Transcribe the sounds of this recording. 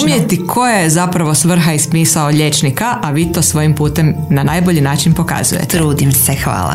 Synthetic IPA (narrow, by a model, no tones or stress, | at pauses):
mijet̪ikʰo̞jezapɾaʋo̞sʋr̩ɦaispiːsaoʎe̞t͡ʃnikaʔaʋiːt̪o̞sʋo̞jimpuːt̪e̞mnanaːjboʎinaːt͡ʃinpo̞ka̰zṵjḛt̪ɾuːd̪imsexʋa̰ːlˠa̰